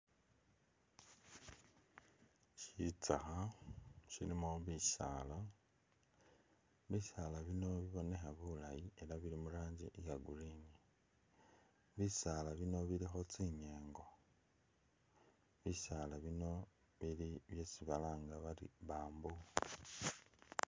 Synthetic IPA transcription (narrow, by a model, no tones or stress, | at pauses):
ʃit͡saxa | ʃiɾimoβisa̰ːla | βiʃalaβino̞βiβo̞ne̞xaβulajie̞laβiɾimuɾaːɲɟḭʔjaɡuɾini | βisalaβino̞βilixo̞t͡siɲeːŋɡo̞ | βisalaβino̞ | βiliβje̞siβalaːŋɡaβalḭβaːmbu